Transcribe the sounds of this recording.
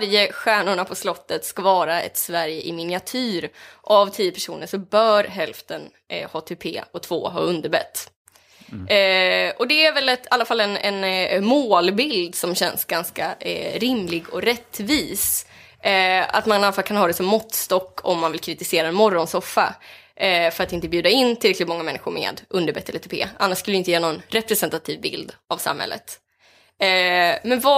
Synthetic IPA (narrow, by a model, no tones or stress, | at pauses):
ɾjəɧæːɳʊɳapʰɔslɔt̪ːət̪skavɑːɾaɛ̰t̪svæɾjəʔɪmɪnɪat̪ʰʉːɾʔavt̪ʰiːəpʰæʂṵːnəʂɔbœːɾɦɛlft̪ən | hɑːt̪ʰɛpʰḛːɔt̪ʰvoːɦɑ̰ːɵnd̪əɾbɛ̰t̪ː | ɔd̪ɛæɾvɛlɛt̪ʰalːafalːɛnɛnmoːlbɪld̪sɔmɕɛnsɡanskaɾɪmlɪɡɔ̰ɾɛt̪ːviːs | a̰t̪manalːafalːkʰanhɑːd̪ɛsɔmːɔt̪ːst̪ɔkːʰɔ̰mːanvɪlkʰɾɪt̪ɪseːɾaɛnmɔɾɔnsɔfːa̰ | fœɾat̪ɪnt̪əbjʉ̟d̪aɪnːt̪ʰɪlɾɛklɪt̪mɔŋːamɛnːɪɧʊɾmḛːd̪ʔɵnd̪əɾbɛt̪ʰːɛlɛt̪ʰɵpʰḛːʔanːaʂkɵləɾɪnt̪əjɛːɾanɔnɾɛpɾɛsɛnt̪at̪ʰiːvbɪ̰ld̪ʔavsa̰mhɛ̰lːə̰t̪ | mɛnva